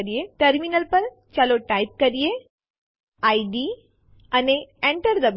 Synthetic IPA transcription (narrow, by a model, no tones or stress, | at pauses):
ɾijeʈəɾminəlpəɾ | t͡ɕaloʈaip̚kəɾije | aiɖi | aneẽɳʈəɾd̪əb